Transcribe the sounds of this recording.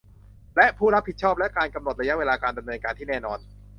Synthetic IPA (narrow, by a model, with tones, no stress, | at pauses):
lɛ˦˥ʔpʰuː˥˩ɾa˦˥pʰːi˨˩t̪̚t͡ɕʰɔː˥˩p̚lɛ˦˥ʔkaː˧nka˧mno˨˩ɾa˧ja˦˥ʔweː˧laː˧kaː˧nda˧mnɤː˧nkaː˧nt̪ʰiː˥˩ɛː˥˩nɔː˧n